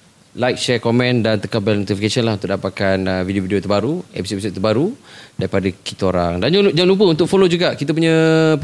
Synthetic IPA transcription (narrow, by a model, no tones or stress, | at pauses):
lajk̚ʃɛkomɛ̃ndant̪əkabɛlnut̪ifikasənlahunt̪ʊk̚ʔdapat̪̚kanəvidiovidiot̪ərbaɾuḛpisoepis̬od̪̚t̪əbaɾudaɾipadəkit̪əoɾaŋdand͡ʒd͡ʒaŋlup̬əunt̪ʊkfolod͡ʒuɡaʔkit̪̬əp̬uɲə̃